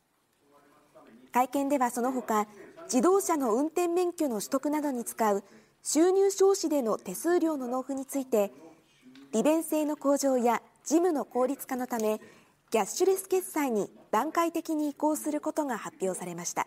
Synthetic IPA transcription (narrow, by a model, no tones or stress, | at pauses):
kaikẽ̞nd̪e̞βaso̞no̞ɦo̞kad͡ʑid̪o̞ːɕano̞ɯ̟̃nt̪ẽ̞mːẽ̞ŋkʲo̞no̞ɕi̥t̪o̞kɯ̟nad̪o̞ɲ̟it͡sɨ̥kaɯ̟ | ɕɨːɲ̟ʲɨːɕo̞ːɕid̪e̞no̞t̪e̞sɨːɾʲo̞ːno̞no̞ːɸɯ̟ɲ̟it͡sɨit̪e̞ | ɾ̥ʲibẽ̞ɰ̃se̞ːno̞ko̞ːʑo̞ːja | d͡ʑimɯ̟no̞ko̞ːɾʲit͡sɨ̥kano̞t̪ame̞ | ɡ̥ʲaɕɨɾe̞sɨ̥ke̞sːaiɲ̟id̪̥ãŋkait̪e̞kʲiɲ̟iːko̞ːsɨɾɯ̟ko̞t̪o̞ɡahapʲːjo̞ːsaɾe̞maɕi̥t̪a̰